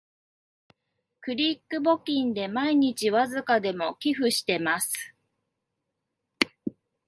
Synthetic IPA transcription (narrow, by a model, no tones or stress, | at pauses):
kɯ̟ɾʲiːkːɯ̟bo̞kʲĩnd̪e̞maiɲ̟it͡ɕiβazɨkad̪e̞mo̞kʲiɸɯ̟ɕi̥t̪e̞masɨ̥